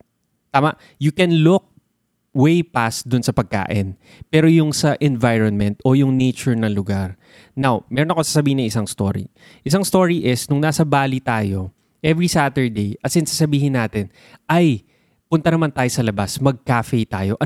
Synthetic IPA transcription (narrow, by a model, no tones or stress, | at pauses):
t̪aːmɐʔ | jʊkɛnlʊk̚ | wejpast̪̚d̪ʊnsɐpɐɡ̚ka̰ːʔɪn | pɛːɾojʊŋsɐʔɛnvajɹonmɛnt̪ojʊŋnɛjt͡ʃʊɹnɐŋlʊɡaɹ | nawmɛːɾonɐkosasɐbiːhɪnːɐŋʔɪsaŋst̪o̰ːɹḭ | ʔɪsaŋst̪o̞ːɹiʔɪsnʊŋnaːsɐbaːlit̪aːjo̞̰ | ʔɛvɹisaːt̪ɛɹd̪ejʔɐt̪sɪnsasɐbiːɦɪnaːt̪ɪn | ɐj | pʊnt̪ɐnɐmant̪aːjosɐlɐbasmɐɡ̚kaːfɛjt̪aːjo̞ʔɐ